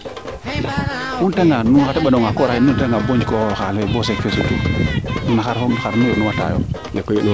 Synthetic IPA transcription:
nunteŋɡanuŋxateɓaɗoŋɡakoɾainunteŋɡaboɲd͡ʒkoxalebosekesutṵnunaxaɾxaɾnuonuwata̰jo̰lekːojelo

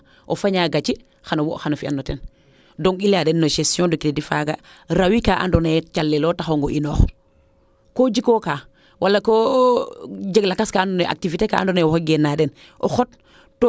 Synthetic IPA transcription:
ʔofaɲaɡat͡ʃi | xanowoʔxanofiʔa̰nːoten | doŋiladenːoʃesjõdokitedifa̰ɡaɾawikaʔa̰ndonet͡ʃalːelotaxoŋɡoʔinoːx | kod͡ʒikokaː | wʔalːako | ɟeɡlakaskaːndoneʔa̰k̚tiviteka̰ʔa̰ndonewɔxɡenːaden | ʔoxot | to

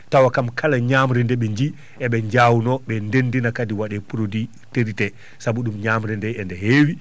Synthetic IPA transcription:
tawakamkʰalaɲaːmɾɛndɛɓɛɲd͡ʒi | ʔɛɓɛɲd͡ʒaːwunɔɓɛndendinakadiwaɗɛpuɾodi | teɾitɛ | sabuɗumɲaːmɾɛndɛɛndɛɦeːwi

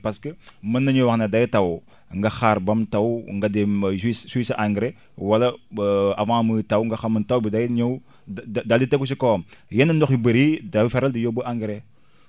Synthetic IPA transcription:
paskəmənːɐɲowaxnadajitaw | ŋɡaxaɾbamtawŋɡademisswisʔãŋɡɾe | walɐavãmətawŋɡaxaməntawbidajiɲow | dalditekuʃ̬ikomjenəndɔxibəɾidafeɾaldijobəʔãŋɡɾe

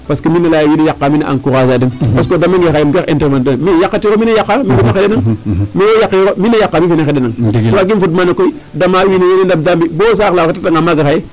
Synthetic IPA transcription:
paskiminalajjinijakːaminaʔa̰ŋkuɣazadinpaskodamaŋɡexajimɡexinteɾmandamijakːatiɣominejakːamifinaxedenaŋminejakːɣominajakːamifinaxedenaŋoaɡifutmanakoi | damawinejinendab̚dambibos̬alaatataŋamaɡaxaje

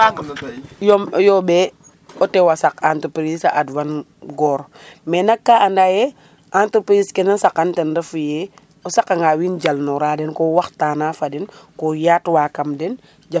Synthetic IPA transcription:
jɔjɔbɛ | ɔtɛwasakantəpɾisaʔadwan | ɡɔːɾmɛnakːaʔandajɛ | ʔantəpɾiskɛnɐnsakantɛndɐfujɛ | ɔsakaŋɡawind͡ʒalnɔɾadɛnkɔwaxtaːnafɐdɛnkɔjaːtwaːkɐmdɛn | d͡ʒa

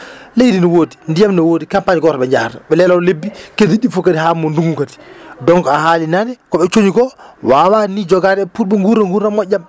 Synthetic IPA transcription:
lejdinɔwoːdindijamnɔwoːdikampaɲɡɔtaɓɛɲd͡ʒahataɓɛlɛlawlebːikediɗifokːatiɦamːɔnduŋɡukati̥dɔŋkɔahaːlinandɛkɔɓɛt͡ʃoɲiɡɔwaːwanid͡ʒɔɡaːdɛɛputɓɛŋɡuɾːaŋɡuɾːamːɔɟʲːam

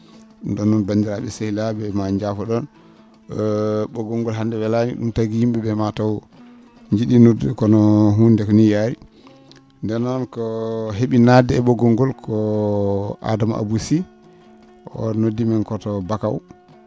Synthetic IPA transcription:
dɔnːɔnbandiɾaɓɛsehilaɓɛmaɲd͡ʒafɔɗɔn | ɓɔɡɔŋɡɔlɦandɛwɛlamḭɗumtaɡijimbɛɓɛmatawɔ | ɲd͡ʒiɗinodkɔnɔɦundɛkɔnijaɾi | ndɛnɔnkɔɦeɓinadɛɛɓɔɡɔŋɡɔlkʰɔ | ʔa̰dama̰ʔa̰busi | ʔɔ̰nodːimankɔtɔbakaw

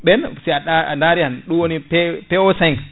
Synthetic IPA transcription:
ɓɛnsiaɗaa̰ndaɾihanɗuwonipɛpɛosaŋ

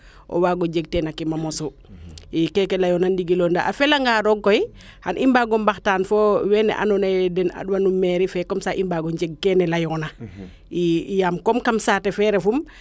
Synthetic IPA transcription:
ʔɔ̰waːɡɔd͡ʒeɡ̚tɛnakimamɔsu | ikɛkɛlajɔnandiɡilɔnda̰ʔa̰fɛlaŋɡaɾɔɡkːɔj | hanʔimbaɡɔmbaxtaːnfɔwɛnɛ̰ʔa̰nɔnɛdɛna̰ɗwanumːɛɾifɛkɔmsaʔimbaɡɔnd͡ʒeɡ̚kɛnɛlajɔna | ijamkɔmkamsaːtɛfɛːɾɛfum

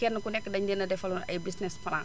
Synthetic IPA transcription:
kɛnːəkunɛkːdɐɲdənɐdɛfɐlunɐ̰jbisnɛspɐla̰ŋ

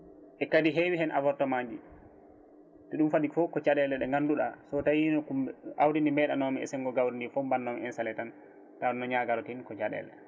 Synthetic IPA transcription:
ʔɛkadiɦewiɦɛnʔa̰vɔɾtɔmaɲd͡ʒi | tɛɗumfaɗikfɔkɔt͡ʃaɗɛlɛɗɛŋɡanduɗa̰sɔtajinɔkumʔawdindimɛɗanɔmiɛ̰sɛŋɡɔɡawɾindifɔmbanːɔmiɛnsalɛtan | tanɔɲaɡaɾɔtinkɔt͡ʃaɗɛ̰lɛ

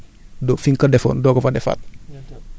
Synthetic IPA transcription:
dofiŋkadefo̰ndokəfadefa̰t̚

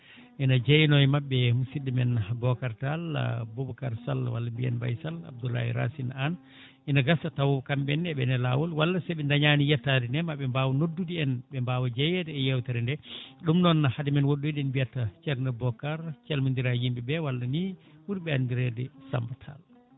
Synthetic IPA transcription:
ʔinad͡ʒejnɔjmaɓːɛmusidimɛnbɔkaɾtalːa̰bɔbɔkaɾsa̰lawa̰lːambiɛ̰nba̰jsala̰b̚dula̰hiɾa̰sinan | ʔinaɡasatawɔkambɛnɛɓɛnɛla̰wɔlwalːasɛɓɛndaɲanijɛtːadinɛmaɓɛmbaːwɔnodːudiɛnɓɛmbaːwad͡ʒɛjɛdɛːjɛwtaɾɛndɛɗumnɔnhadimɛnwoɗːujɗɛnbijatːat͡ʃɛɾnɛbɔkaɾt͡ʃalmindiɾajimbibɛwalːanikuɾiɓɛandiɾɛdɛsa̰mbatʰa̰l

